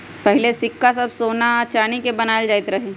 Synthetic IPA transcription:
pɐɦɪlesɪkːas̬ɐbsoːnat͡ʃaːnikebɐnaːld͡ʒaːɪt̪ɾɐɦeː

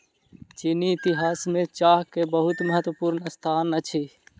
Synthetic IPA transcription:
t͡ʃiniːt̪iɦaːsmẽt͡ʃaɦkebəɦut̪məɦət̪wəpuɾnst̪ʰanət͡ʃʰi

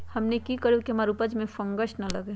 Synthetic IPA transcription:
hɐmnekikəɾukiɦɐmaːɾupəd͡ʒmẽfɐ̃ŋɡəʃnɐlɐɡeː

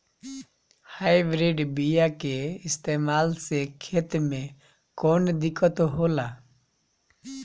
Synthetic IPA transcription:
haːɪbɾiɖbijakeɪst̪eːmaːlsekʰeːt̪mẽ | koːnd̪ɪkʰət̪oɦoːlaː

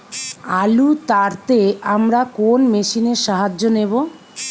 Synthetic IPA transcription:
alut̪aɾt̪eamɾakonmeʃineɾʃaɦad͡ʑːonebo

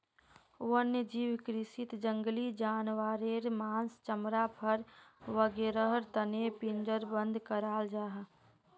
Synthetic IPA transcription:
ənːəd͡ʒiːwkɾɪsit̪d͡ʒəŋɡlid͡ʒaːnʋaːɾeɾmaːnst͡ʃəmɾapʰəɾʋəɡeːɾəɦəɾt̪ənepind͡ʒəɾbə̃nd̪ʱkəɾaːld͡ʒaːɦ

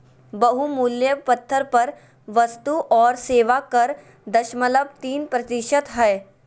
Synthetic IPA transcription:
bɐɦumuljəpɐt̪ʰːəɾpɐɾ | ʋɐst̪uʔɔːɾseːʋakɐɾ | d̪ɐʃmələb̚t̪iːnpɾɐt̪ɪʃət̪ɦɛː

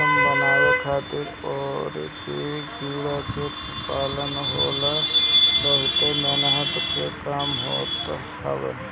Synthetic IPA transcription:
bənaːekʰaːt̪ɪɾ | ɔːɾted͡ʒiːɽat͡ʃok | paːlənɦoːlabəɦʊt̪emenəɦət̪pʰekaːmɦo̰ːt̪ | hə̰ʋḛ

